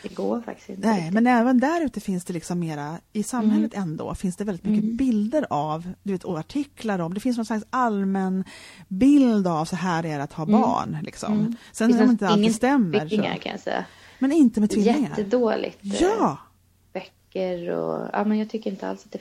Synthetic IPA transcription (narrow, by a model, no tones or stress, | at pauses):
d̪ɛɡoːɾfa̰k̚t̪ɪ̥t̪ɪ̰ntnɛmɛnɛːvənd̪æɾʉ̟ːt̪əfɪnsd̪ɛlɪksɔmːeːɾaɪsamːhɛlːət̪ɛnd̪o̰ːfɪnsd̪ɛvɛlɪt̪mʏkːəbɪld̪əɾavd̪ɵveːt̪ʰɔaʈʰɪklaɾɔmd̪ɛfɪns̬nɔnslaksalmɛnbɪld̪avsɔɦæːɾɛɾat̪hɑːbɑ̰ːɳlɪ̰ksɔ̰msɛnmɪnəalːst̪ɛmːəɾŋa̰ɾkʰa̰nja̰sɛ̰jːa̰ | mɛnɪnt̪əmɛt̪ʰvɪlɛɪŋaəd̪oːlɪ̰ɡt̪jɑː | b̥œkːəɾɔ̰ɑ̰ːmɛnjɑɡ̚t̪ʰʏkːəɾɪnt̪əa̰lsḁt̪̚d̪ɛ